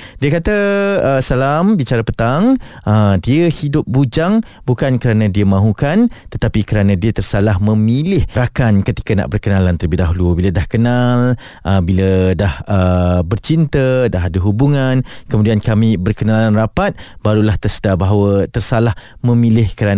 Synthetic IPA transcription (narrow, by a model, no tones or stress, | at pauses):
diəkat̪aəsalambit͡ʃaɾapət̪aŋʔədiəhidʊp̚bud͡ʒaŋ | bukankəɾanãdiəmãɦukant̪ət̪apikəɾanãdiət̪ərsalahmə̃milɪhɾakankət̪i̥kəna̰ʔbərkənalant̪ərbidaɦulubilədahkənal | ʔəbilədahʔəbərt͡ʃint̪ədaɦadəɦubuŋankəmudiankamĩbərkənalanrapat̪̚baɾulaht̪ərsədabaɦawət̪ərsalahmə̃milɪhkəɾan